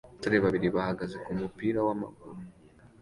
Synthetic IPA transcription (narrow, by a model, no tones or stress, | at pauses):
taɾeβaβiɾiβahaɡazekumupiːɾawama̰ɡṵɾu